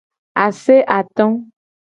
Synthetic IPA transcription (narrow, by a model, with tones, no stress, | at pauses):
a˨se˦ʔa˨t̪ɔ̃˦